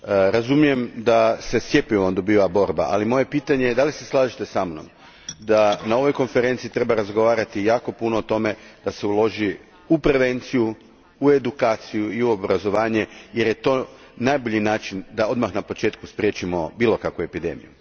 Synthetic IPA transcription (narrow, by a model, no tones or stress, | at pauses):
ɾazumije̞md̪ase̞sje̞piʋond̪o̞biːʋabo̞ɾba̰ʔa̰limo̞je̞piːt̪aɲe̞jed̪alise̞slˠaːʒit̪e̞samno̰m | d̪anao̞ʋo̞jko̞nfe̞ɾe̞nt̪sit̪ɾe̞baɾazɡo̞ʋaːɾat̪ijaːko̞punoːt̪o̞me̞d̪̥ase̞ulo̞ʒi | upɾe̞ʋe̞nt̪siju | ue̞d̪ukaːt̪sijuiuo̞bɾazo̞ʋaːɲe̞je̞ɾje̞t̪o̞ | najboʎinaːt͡ʃind̪ao̞d̪maxnapo̞t͡ʃe̞ːt̪kuspɾʲje̞t͡ʃimo̞biːlˠo̞kakʋue̞pid̪e̞̰mḭju